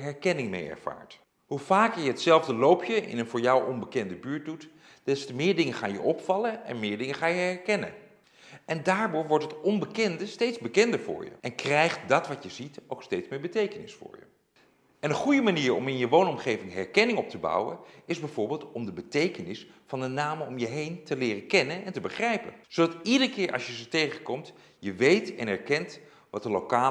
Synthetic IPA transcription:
ɦɛɹkɛnɪŋmḛjɛ̰ɹv̥a̰ːɹt | ɦuv̥aːkəɹjəɦətsɛlˠvdəlowpʰjəʔɪ̰nənvʊːɹjɔwʔɔnbəkɛndəbyːɹt̚dut | d̥ɛstəmɪːɹdɪŋəχaːnjə̰ʔɔpfɑləɛ̰nmɪːɹdɪŋəχaːjəɛɹkɛnə̰n | ɛndaːɹdʊːɹʋɔɹtɦətɔnbəkɛndəstejtzbəkɛndəɹvʊ̰ːɹjə̰ʔɛnkrɛjχt̚dɑtʋɑtəzitowkstejtsmɪːɹbətejkənɪsfʊ̰ːɹjə̰ | ɛnəχujəmaniːɹɔ̰mɪnjəʋownɔmχejvɪŋɦɛɹkɛnɪŋɔp̚təbɑ̰wə̰ɪzbɛjvʊːɹbɪːlˠtɔmdəbətejkənɪsfɑndənaːmɔmjəɦejntəlɪːrəkɛnənɛntəbəχrɛjpə̰nz̥odɑtidəɹkɪːɹʔɑ̰sjəzətejχəkɔmt | jəʋejtɛnɛɹkɛnt | ʋɑtəlowkaː

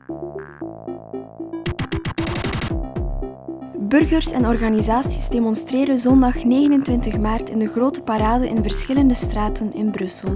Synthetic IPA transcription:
bɵrɣərsɛnɔrɣanizaːsi̥zdeːmɔnstreːɾəzɔndɑxneːɣənəntʋɪntəxmaːrtɪndəɣroːtəpaɾaːdəʔɪnvərsxɪləndəstraːtənɪnbrɵsəlˠ

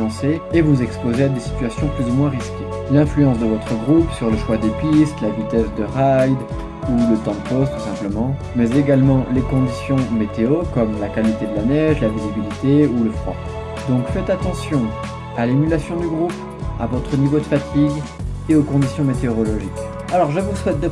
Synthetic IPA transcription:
ɑ̃seevuzɛkspozead̪esi̥t̪ɥasjɔ̃plyzumwɛ̃ʁiskʲe | lɛ̃flyɑ̃sd̪əvɔt̪χəɡʁupsyʁləʃwad̪epist̪lavit̪ɛsd̪əʁajd̪ | ulət̪ɑ̃d̪əpost̪u̥sɛ̃pləmɑ̃ | mɛzeɡalmɑ̃lekɔ̃d̪isjɔ̃met̪eokɔmlakalit̪ed̪əlanɛʒlavizibilit̪euləfχwa̰ | d̪ɔ̃kfɛt̪at̪ɑ̃sjɔ̃ | alemylasjɔ̃d̪yɡʁup | a̰vɔt̪χənivod̪əfat̪iɡ | eokɔ̃d̪isjɔ̃met̪eɔʁɔlɔʒik | alɔʁʒəvuswɛt̪̚d̪ə

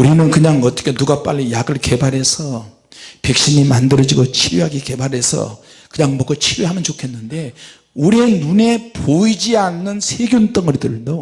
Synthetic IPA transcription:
uɾinɯnkɯɲaŋʌt͈ʌkʰe̞nuɡap͈a̰ʎːijaɡɯɭke̞baɾɦe̞sʰʌ | pe̞k̚ɕ͈iɲimandɯɾʌd͡ʑiɡot͡ɕʰiɾjuɦaɡike̞baɾɦe̞sʰʌ̰ | kɯɲaŋmʌkot͡ɕʰiɾjuɦamjʌnt͡ɕokʰe̞nːɯnde̞ | uɾienune̞poid͡ʑianːɯnsʰeɡjont͈ɯŋɯɾidɯɭdo

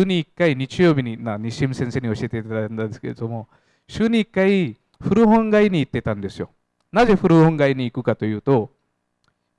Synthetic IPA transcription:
ɲ̟iːkːaiɲ̟it͡ɕijo̞ːbʲiɲ̟imaɲ̟iɕĩsẽ̞ɰ̃se̞ːɲ̟ioɕie̞t̪et̪nad̪eske̞ɾed̪o̞mo̞ | ɕɨːɲ̟iːkːai | ɸɯ̟ɾɯ̟ɦõ̞ŋɡaiɲ̟iːt̪ːe̞t̪ãnd̪e̞sɨjo̞̰ | naze̞ɸɯ̟ɾɯhõ̞ŋɡaiɲ̟iːkɯ̟kat̪o̞jɯ̟ːt̪o̞

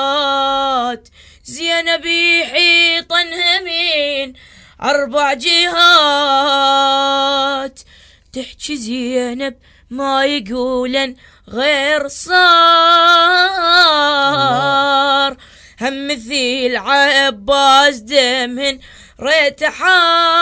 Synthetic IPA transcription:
t̪ | zjanabiħiːt̪ˤɑnhamin | ʔɑɾˤbaʕd͡ʒɪhɑ | t̪ | t̪ɪħt͡ʃizaanab̚ | majɡuːlan | ɣeːɾsˤɑ | ɾˤ | hamːɪθiːlʕaʔbːaːsd̪amhɪn | ɾeːt̪aħa

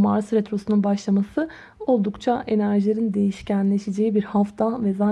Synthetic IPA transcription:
maɾsɾet̪ɾo̞sununbaʃlˠamasɯ | o̞lˠd̪ukt͡ʃʰaʔe̞næɾʒilʲeɾind̪e̞jiʃcænlʲeʃed͡ʒe̞jibiɾhaft̪ʰavɛzaː

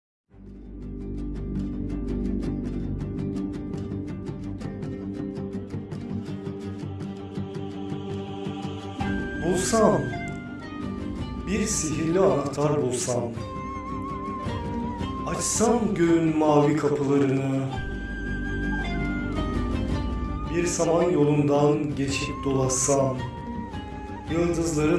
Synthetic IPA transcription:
bulˠsam | biɾsiɦiɾlʲɛanakt̪ʰaɾbulˠsam | at͡ʃsamɟøynmaːvikʰapʰɯlˠaɾɯnɯ | biɾsamanjo̞lˠund̪anɟe̞t͡ʃʰip̚d̪o̞lˠasam | jɯlˠd̪ɯzlˠaɾɯ

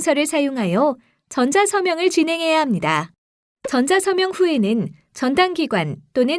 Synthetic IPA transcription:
sʰʌɾɯɭsʰajoŋɦajʌ | t͡ɕʌnd͡ʑasʰʌmjʌŋɯɭt͡ɕinɦe̞ŋɦe̞jaɦamɲida | t͡ɕʌnd͡ʑasʰʌmjʌŋɸue̞nɯn | t͡ɕʌndaŋɡiɡwant͈onɯ

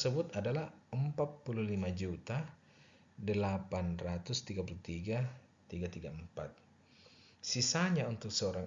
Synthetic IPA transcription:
səbʊt̪adalahəmpat̪̚puluhlimad͡ʒut̪a | dəlapanrat̪ʊst̪iɡapulut̪iɡa | t̪iɡat̪iɡaəmpat̪̚ | sisaɲaunt̪ʊk̚səoɾaŋ

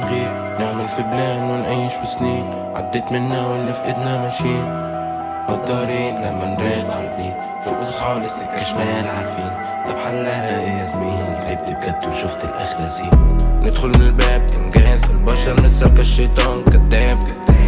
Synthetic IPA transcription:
ɣiːɾ | nɪʕmɪlfibleːnwɪnʕiːʃbɪsniːn | ʕa̰d̪ːeːt̪mɪnːawɪlːifʔɪd̪namaʃiːn | mʊb̚d̪ɑːɾiːnlamːanɾiːd̪ʕaɾbiː | fiʔʊsˤħɑlɪsɪkaʃmajalʕaɾˤfiːn | t̪ˤɑbħalːazmiːɪlziːb̚t̪ɪb̚ɡat̪ːwʃʊft̪ɪlʔa̰xɾaziːnnɪd̪xʊlmɪnɪlbeːb̚ʔɪ̰nɡeːzɪlbɑʃɑɾˤmɪsːalkaʃːeːt̪ˤɑːnkad̪ːeːb̚kad̪ː

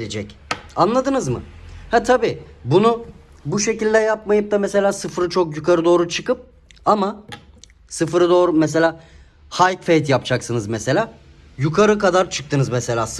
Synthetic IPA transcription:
led͡ʒɛcanlˠad̪ɯnɯzmɯ̰hɛt̪ʰabiːbunu | buʃe̞cilʲd̪ɛjap̚majɯp̚d̪amese̞lʲaːsɯfɾɯt͡ʃʰo̞kjukʰaɾɯd̪o̞ːɾut͡ʃʰɯkɯp̚ | ama | sɯfɾɯd̪o̞ːɾumes̬e̞lʲaː | hajkfejt̪japd͡ʒʰaksɯnɯzmese̞lʲaː | jukʰaɾɯkad̪aɾt͡ʃʰɯ̥k̚t̪ʰɯnɯzmese̞lʲaːs

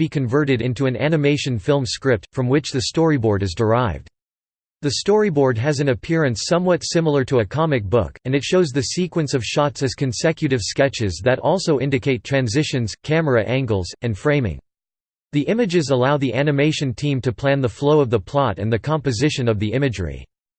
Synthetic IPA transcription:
b̥ikʰɨ̃ɱvɜ˞ɾɨɾɪ̃ntuɨ̃næ̰nɨmeɪʃɨ̃nfɪlˠmskɹɪp̚tfɹʌ̃mwɨt͡ʃðɨstɔɹibɔɹɾɨzdə˞aɪvd | ðɨstɔɹibɔɹd̚ɨzɨ̃nɨpʰɪɹɨ̃nsʌ̃mwʌtsɪ̃ml̩ˠə˞ɾəɨkʰɑmɨk̚b̥ʊ̰kɨ̃nɨtʃoʊzðɨsikwɨ̃nsʌv̥ʃɑtsɨz̥kɨ̃n̩sɛkjɨɾɨv̥skɛt͡ʃɪzðɨɾɔlˠsoʊʔɪ̃ndɨkʰeɪtʰɹ̥æ̃nzɪʃɨ̃nz̥kʰæmə˞ɨʔæ̃ŋɡl̩ˠzɨ̃nfɹẽɪ̃mɪ̰̃ŋ | ðiʔɪ̃mɨd͡ʒɨzəlaʊðiʔænɨmeɪʃɨ̃ntʰĩmtʰɨpʰl̥æ̃nðəfloʊʌvðəpʰl̥ɑɾɨ̰̃nðɨkʰɑ̃mpɨzɪʃɨ̃nʌvðiʔɪ̃mɨd͡ʒɹḛɪ

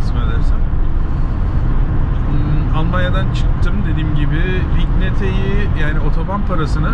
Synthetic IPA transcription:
smed̪æɾsæn | alˠmanjad̪ant͡ʃʰɯ̥k̚t̪ʰɯmd̪e̞d̪iːmɟibɪ | licnet̪ʰejijaːnio̞t̪ʰo̞manpʰaɾasɯnɯ

